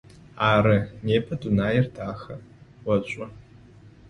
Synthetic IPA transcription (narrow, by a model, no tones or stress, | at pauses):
aːɾɨneːpʰɐdunaːjɪrtʰaːxɐwɐɕʷʼɔ